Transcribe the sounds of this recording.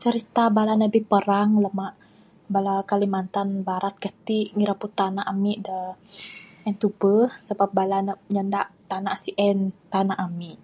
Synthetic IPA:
t͡ʃəɾit̪abalanabipəɾaŋləmaʔ | balakalimant̪anbaɾat̪̚kət̪iʔŋiɾaput̪anaʔamiʔdə | ɛnt̪ubəhsəbap̚balanəɲandaʔt̪anasiʔɛnt̪anaʔamiʔ

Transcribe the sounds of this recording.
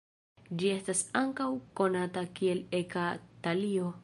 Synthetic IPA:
d͡ʒie̞stasaŋkawko̞natakie̞lekatalio̞

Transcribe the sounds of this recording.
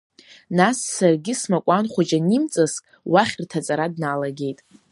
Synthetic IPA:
nasːarɡʲɪsmakʷʼanχʷad͡ʒanimt͡sʼaskʼ | waχʲrtʰat͡sʼaɾadnalaɡʲe̞jtʼ

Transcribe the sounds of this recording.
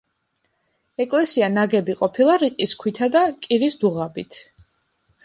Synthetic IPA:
ɛkʼlɛsianaɡɛbiqʼɔpʰilˠaɾiqʼiskʰwit̪ʰad̪akʼiɾisd̪uʁabit̪ʰ

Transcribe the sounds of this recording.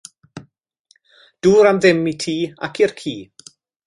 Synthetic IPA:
d̥uːɾamðɪmitʰiːa̰kʰirkʰiː

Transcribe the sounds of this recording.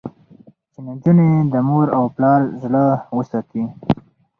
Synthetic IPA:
t͡ʃɪnand͡ʒuned̪əmoɾawplɑɾzləwəsɑt̪i

